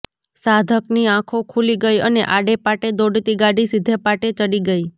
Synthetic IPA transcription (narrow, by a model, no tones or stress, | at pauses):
sad̪ʱəkniãkʰokʰuliɡəjənḛʔaɽepaʈed̪oɖt̪iɡaɽisɪd̪ʱepaʈet͡ʃəɽiɡəi